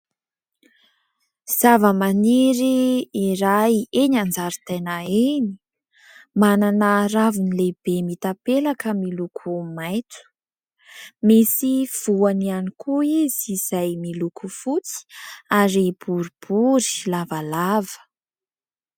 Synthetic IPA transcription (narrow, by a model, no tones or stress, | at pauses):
z̥avəmaniɾiːɾajeɲand͡zaɾit̪enaeni̥ | mananəravunileb̥emit̪apelakəmilukʰumajt̪u̥ | misiv̥uanianikʰuiziz̥ajmilukʰufut͡si̥aɾib̥uɾib̥uɾi̥lavalavə̥